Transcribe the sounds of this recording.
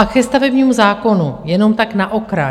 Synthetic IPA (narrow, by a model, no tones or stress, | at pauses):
akɛst̪avɛbɲiːmuzaːko̞nujɛno̞mt̪aknaʔo̞kɾa